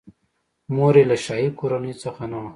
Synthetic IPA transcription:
moɾelaʃɑːikoɾanəjt͡səxanaw

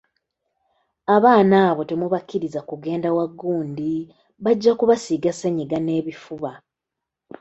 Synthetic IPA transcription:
aβaːnaːβo̞te̞muβakːiɾizakuɡe̞ːndawaɡːuːndi | βaɟːakuβasiɡaseɲiɡane̞ːβifuβa

